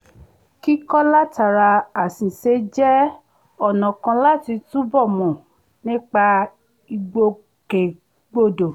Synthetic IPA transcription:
ki˦kɔ˦la˦ta˨ɾa˧a˨sĩ˨se˨˧d͡ʒɛ˦ | ɔ˦˨nɔ̃˨kã˧la˦ti˧tũ˦bɔ˦˨mɔ̃˨ | nĩ˦k͡pa˧ | i˧ɡ͡bo˧ | ke˨ | ɡ͡bo˧do˨

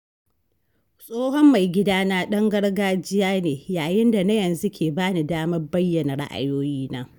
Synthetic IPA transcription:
sʼoː˦hɔ˦mːa˨jɡʲɪ˦daː˦naː˦ɗɐ˦ŋɡɐ˦ɽɡaː˦d͡ʒɪ˦jaː˦neː˨jaː˨jɪ˦nda˨na˦jɐ˨nzu˦kʲʰeː˨baː˦ni˨daː˦mɐ˦rbɐ˦jːɐ˨na˨ɽa̰˦ʔa̰˨joː˦jiː˦naː˦

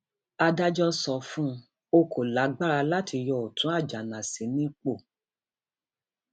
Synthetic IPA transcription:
a˧da˦d͡ʒɔ˦sɔ˨fũ˦ | o˧ko˨la˨˦ɡ͡ba˦ɾa˧la˦ti˧jɔ˧˨o˨tũ˨˦a˦˨d͡ʒa˨nã˨se˨˦nĩ˦k͡po˦˨

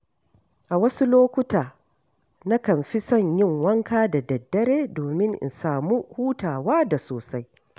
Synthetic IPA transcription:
ʔa˨wɐ˦su˦loː˦kʷʊ˦taː˨ | na˦kɐ˨mɸi˦sɔ˦˨ɲjɪ˦˨ŋwɐ˦ŋkaː˦da˨dɐ˨dːɐ˦ɾeː˦doː˨mɪ˦ŋʔɪ̰˨nsaː˨mu˦huː˦taː˨waː˦da˨soː˨sa˦j

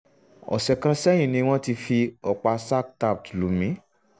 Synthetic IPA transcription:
ɔ̰˨sɛ˨kã˧sɛ˦j̃ĩ˦˨nĩ˧w̃ɔ̃˦ti˧fi˧ɔ˨k͡pa˧sa˦k̚ta˦˨p̚tu˨lu˨˦mĩ˨˦

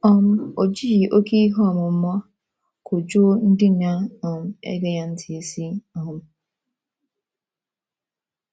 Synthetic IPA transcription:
ɔ˦m̩˦o˨d͡ʒi˦ji˨ʔo˦ke˦i˦ɦɔ˦˨mʊ˨m̩˦mɔ˦ | kʰʊ˨d͡ʒu˦n̩˦dɪ˦na˦ɔ˨m̩˦ḛ˦ɡe˦ja˦n̩˦tʰi˨e˨si˦ɔ˨m̩˦

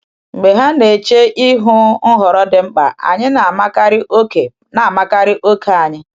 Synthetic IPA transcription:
ŋ͡m̩˨ɡ͡be˨ɦa˦ne˨t͡ʃe˦ʔi˦ɦʊ˦ɦɔ˨ɾɔ˦dɪ˨ŋ͡m̩˦k͡pa̰˨a̰˨ɲɪ˦na˨ma˦ka˦ɾɪ˦ʔo˦ke˨ | na˨ma˦ka˦ɾɪ˦ʔo˦ke˨a˨ɲɪ˦

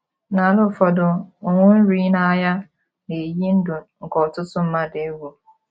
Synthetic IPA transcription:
na˨lʊ˦˨fɔ˨dʊ˨ŋʷʊ˦n̩˦ɾi˦na˦ja˦ | ne˨ji˦n̩˦dʊ˨ŋ̩˨kɔ˨tʊ˦tʊ˦m̩˦ma˦dɪ˦wo˨

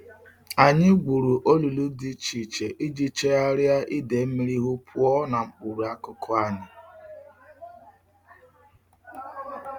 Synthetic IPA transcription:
a˨ɲɪ˦ɡ͡bu˨ɾu˨ʔo˦lu˨lu˦di˦t͡ʃi˨t͡ʃe˨ʔi˦d͡ʒi˦t͡ʃe˦a˦ɾja˦ʔi˦de˨˦mi˦ɾi˦ɦu˦pʰʊ˦ɔ˦na˨ŋ͡m̩˨k͡pu˨ɾu˨a˦kʊ˦kʰʊ˦a˦ɲɪ˨

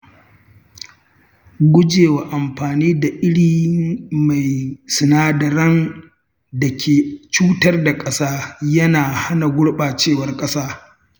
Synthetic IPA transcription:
ɡʷʊ˦d͡ʒeː˨wa˨ʔa˨mɸaː˨niː˦da˨ʔɪ˦ɽiː˦ma˨jsʊ˨naː˦dɐ˨ɾɐ˦n | da˨kʲʰeː˨t͡ʃuː˦tɐ˦rda˨kʼɐ˦saː˦jɐ˦naː˨ha˦na˨ɡʷʊ˦ɽɓaː˨t͡ʃeː˦˨wɐ˦rkʼɐ˦saː˦

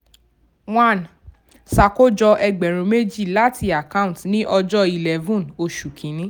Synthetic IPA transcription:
w̃ã˦˨n | sa˨ko˦d͡ʒɔ˧ʔɛ˧ɡ͡bɛ˨ɾ̃ũ˧me˦d͡ʒi˦˨la˦tʰi˧a˨kã˦ũ˨tnĩ˦ʔɔ˧d͡ʒɔ˦i˨lɛ˨vũ˦no˧ʃu˨kʰĩ˨˦nĩ˨˦

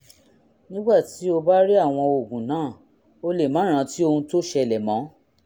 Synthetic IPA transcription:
nĩ˦ɡ͡ba˦˨ti˨˦o˧ba˦ɾi˦a˦˨w̃ɔ̃˧o˨ɡũ˨nãː˨˦˨ | o˧le˨mã˨˦ɾ̃ã˨˧˦ti˦o˧hũ˧to˦ʃɛ˧˨lɛ˨mɔ̃˨˦

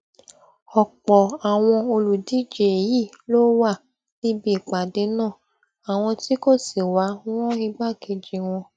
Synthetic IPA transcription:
ɔ˨k͡pɔ˨a˨w̃ɔ̃˧o˧lu˨di˨˦d͡ʒe˨ji˦˨ | lo˦wa˦˨ | li˦bi˦i˨k͡pa˨de˨˦nãː˦˨ | a˨w̃ɔ̃˧ti˦ko˦˨si˨wã˨˦ɔ̃˦i˧ɡ͡ba˦˨ke˧d͡ʒi˨˧w̃ɔ̃˧

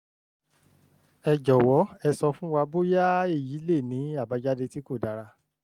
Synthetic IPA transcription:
ɛ˨d͡ʒɔ˨wɔ˨˦ɛ˧sɔ˧fũ˦wa˧bo˦ja˦e˦˨ji˨˦le˦˨nĩ˨˦a˦˨ba˨˧˦d͡ʒa˦de˧ti˦ko˦˨da˨˧ɾa˧

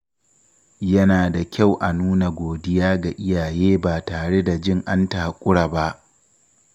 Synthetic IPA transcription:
jɐ˦naː˨da˨kʲa˦˨wʔa˨nuː˦na˨ɡʷoː˨dɪ˦jaː˦ɡa˨ʔɪ˦jaː˨jeː˦baː˨taː˨ɽe˦da˨d͡ʒɪ˦ŋʔa˦ntaː˨kʷʼʊ˦ɽa˨ba˦ʔ

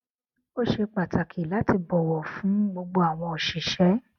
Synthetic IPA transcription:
o˦ʃe˧k͡pa˨ta˨kʰi˨la˨˦ti˧bɔ˨wɔ˨fũ˨˦ɡ͡bo˧ɡ͡bo˧a˨w̃ɔ̃˧o˨ʃi˨ʃɛ˨˦

